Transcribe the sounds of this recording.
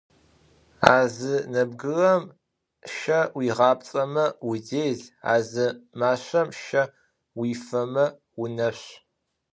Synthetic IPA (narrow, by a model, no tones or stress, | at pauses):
aːzɨnɐbɡɨrɐm | ʃɐwiːʁɑːp̚ʼt͡sʼɐmɐwideːɮa̰ːzɨmaːɕʷɐmʃɐ | wiːfɐmɐ | wʊnɐɕ